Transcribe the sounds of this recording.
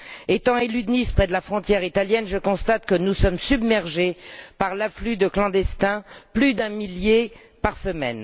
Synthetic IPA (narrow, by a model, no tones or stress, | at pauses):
et̪ɑ̃elyd̪nispχɛd̪əlafχɔ̃t̪jɛʁit̪aljɛnʒəkɔ̃st̪at̪kənusɔmsybmɛʁʒepaʁlaflyd̪əklɑ̃d̪ɛst̪ɛ̃plyd̪ɛ̃milje | paʁsəmɛ̰n